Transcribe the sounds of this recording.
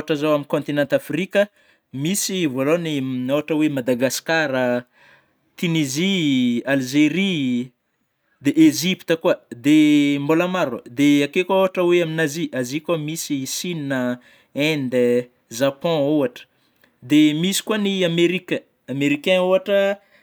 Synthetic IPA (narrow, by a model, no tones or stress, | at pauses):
aʈ͡ʂəzawaminkɔ̃nt̪inãnt̪afrikʲə | misivolonioɦaʈ͡ʂəwemad̪aɡaskaɾə | t̪inizialʒeɾi | d̪eʔeʒipt̪əkuəd̪embolamaɾuə̰d̪eakekooɦaʈ͡ʂəweaminaziazikamisisininə | ɛ̃nd̪e | ʒapɔ̃oaʈ͡ʂə̥ | d̪emisi̥kuaniameɾikə | ameɾikɛ̃oaʈ͡ʂə